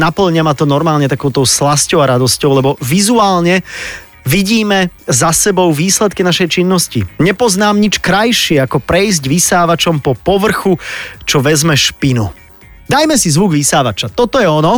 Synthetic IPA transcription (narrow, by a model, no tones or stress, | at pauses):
napl̩ɲamat̪ɔnɔɾmaːlɲɛt̪akɔʊt̪ɔʊslascɔʊaɾad̪ɔscɔʊlɛbɔʋizuaːlɲɛ | ʋiɟiːmɛzasɛbɔʊʋiːslɛt̪kinaʃɛjt͡ʃinːɔscḭɲɛpɔznaːmɲit͡ʃkɾajʃɪɛakɔpɾɛizɟʋisaːʋat͡ʃɔmpɔpɔʋr̩xut͡ʃɔʋɛzmɛʃpinṵ | d̪ajmɛsizʋuɡʋisaːʋat͡ʃat̪ɔt̪ɔjɛɔnɔ